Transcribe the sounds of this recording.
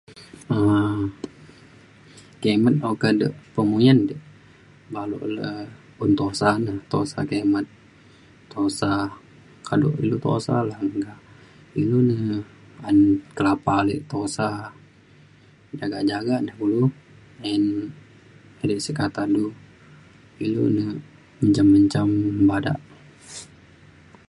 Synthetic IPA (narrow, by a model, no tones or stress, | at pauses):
ə | kemət̪̚ʔokadəʔpəmujandəʔ | balṵʔlə̰ | unt̪osanəht̪o̰sa̰kemət̪̚ː | osa | kado̰ʔḭlut̪o̰sa̰laŋɡa | ilunə | ankəlapalə̰ʔt̪osa | d͡ʒaɡaʔd͡ʒaɡaʔnəhɡulu | ɛn | əɾiʔsəkat̪adu | ilṵnə | məɲt͡ʃamːəɲt͡ʃambada̰ʔ